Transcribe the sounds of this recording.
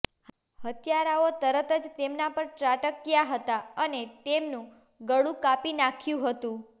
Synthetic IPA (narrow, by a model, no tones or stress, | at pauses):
hət̪jaɾaot̪əɾət̪əd͡ʒt̪emnapəɾʈɾaʈəkjaɦət̪aənet̪emnũ | ɡəɽũkapinakʰjũɦət̪ũ